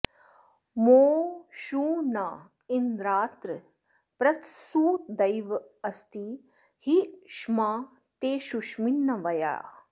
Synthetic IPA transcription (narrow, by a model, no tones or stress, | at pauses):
moːʃuːnaː | ind̪ɾaːt̪ɾɨ | pɾɐt̪suːd̪ɐjʋ | ɐst̪i | hiʃmaː | t̪eːʃuʃminːɐʋɐja̰ː